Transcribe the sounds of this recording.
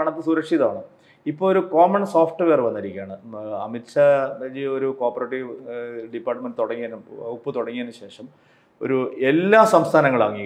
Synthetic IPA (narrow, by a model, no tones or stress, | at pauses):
kɐɳɐt̪ːɨsuːɾɐkʂiðaːɳɨ | ipːoɭoɾukoːmɐɳsoːfʈɨʋe̞ːrʋɐnːɐɾikʲːaːɳɨɐ̰mitɕɐed͡ʑioɾuko̞ːrpɐreʈːiʋɖipːaːrʈːɐmenɖɨt̪oɽɐŋːijɐnumupːɨt̪oɽɐŋːijɐnːɨɕe̞ːʂɐm | o̞̰ɾuelːaːsɐmst̪ʰaːnɐŋːɐɭaːŋːi